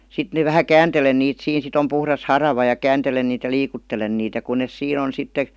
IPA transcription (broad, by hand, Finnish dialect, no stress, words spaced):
sit ne ʋæhæ kæːntelen niːt siːn sit om puhrɑs hɑrɑʋɑ jɑ kæːntelen niːt jɑ liːkutːelen niːt jɑ kun nes siːn on̞ sitːe